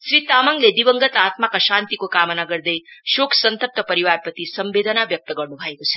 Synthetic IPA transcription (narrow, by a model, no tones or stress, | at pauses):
ʃɾit̪aməŋɡled̪iʋəŋɡət̪at̪makaʃant̪ikokamənaɡəɾd̪ejʃokʰsənt̪əp̚t̪əpəɾiʋaɾpət̪isəmʋed̪ʱənaʋjək̚t̪əɡəɾnũbʱajkot͡ʃʰe̥